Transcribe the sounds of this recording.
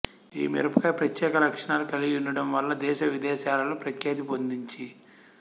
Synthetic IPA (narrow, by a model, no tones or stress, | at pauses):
ḭːmḭɾɐpɐkɐpɾɐt̪jɛːkɐlɐkʂɐɳaːlukɐlijiɳɖɐɽɐmʋɐlːɐd̪ɛːʃɐʋid̪ɛːʃaːlɐlupɾɐk̪jɐt̪ipond̪iɲt͡ʃi